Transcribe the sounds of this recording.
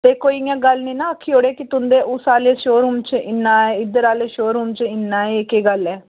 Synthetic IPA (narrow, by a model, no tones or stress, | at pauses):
t̪eːkoːijãːɡəlnĩːnãːəkʰːiːoːɽeːkɪt̪ʊ̃nd̪eːʔʊsaːleːʃoːɾuːmt͡ʃəɪnːãːɛːɪd̪əɾaːleːʃoːɾuːmt͡ʃəɪnːaːekeːɡəlɛː